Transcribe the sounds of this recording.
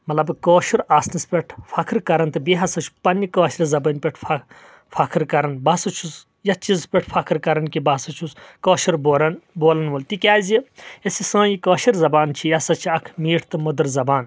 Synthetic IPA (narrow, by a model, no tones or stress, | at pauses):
mɐtlɐbkoːʃiɾaːsnɨspʲeʈʰfʰɐkʰɾkɐɾɐnt̪ɨbiɦɐsɐt͡ʃʰu̥pɐnːikɐːʃɾizɐbənʲpʲeʈʰɐ | fʰɐkʰɨɾkɐɾɐnbɐsɐt͡ʃʰus | jɐt͡ʃizpʲeʈʰfʰɐkʰɾkɐɾɐnkibɐsɐt͡ʃʰuskoːʃiɾboɾɐnboːlɐnʋɐlt̪ikʲaːzʲiesisãːjikɐːʃiɾzɐbaːnt͡ʃʰijɐsɐt͡ʃʰiɐkʰmiːʈʰt̪ɨmod̪ɐɾzɐbaːn